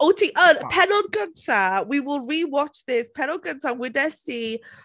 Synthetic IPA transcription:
otʰiʔəpʰɛnɔdɡəntʰawiwɪlˠɹiwɔt͡ʃðɪspʰɛnɔd̚ɡəntʰawɪdɛsi

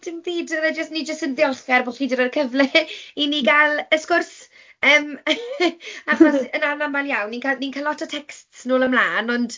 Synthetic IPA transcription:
d̥ɪmbiːdəɾɛd͡ʒəstnid͡ʒəstənðɪɔχɛrbʊɬidəɾərkʰəvlɛiniɡalˠəskʊrs | əːm | aχɔsənarnamaljawnːikʰaninkʰalɔtʰətʰɛkstsnoːlˠəmlaːnɔnd̥

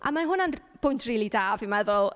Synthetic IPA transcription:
ʔa̰manɦʊnanb̥ʊjntʰriːlˠidaːvimɛðʊlˠ

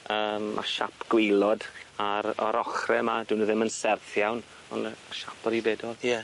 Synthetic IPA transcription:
əːmmʔa̰ʃapʰɡ̥wɪlˠɔdaɾɔ̰ɾʔɔχrɛmadunəðɪmənsɛrθjawn | ɔnʃapʰɔɾibɛːdɔlˠjɛ

